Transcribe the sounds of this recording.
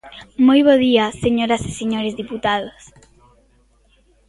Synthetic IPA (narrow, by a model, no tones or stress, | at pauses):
mojβoðiaseɲoɾase̥seɲoɾezðiput̪aðos